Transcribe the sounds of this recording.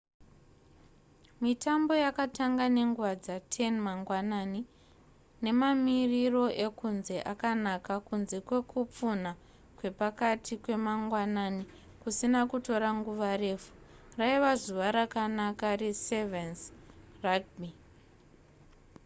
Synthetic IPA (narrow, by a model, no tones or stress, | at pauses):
mitambo̞jakataŋɡane̞ŋɡuwad͡zatʰenmaŋɡwanaːni | ne̞mamiriro̞ʔe̞kunze̞ʔakanakakunze̞kwe̞kup͡funa | kwe̞pakatʰikwe̞maŋɡwanani | kusinakuto̞ɾaŋɡuʋare̞furaiʋazuʋaɾakanakaresevensraɡ̚bi